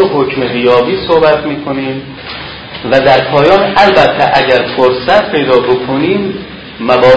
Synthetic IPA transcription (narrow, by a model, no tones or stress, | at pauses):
ɦocmeɣijɒːbiːsohbæt̪ʰmiːkʰo̞niːm | væd̪æɾpʰɒːjɒːnælbæt̪ʰːeʔæɟæɾfoɾsæt̪ʰpʰe̞jd̪ɒːbo̞kʰoniːmː | ævɒː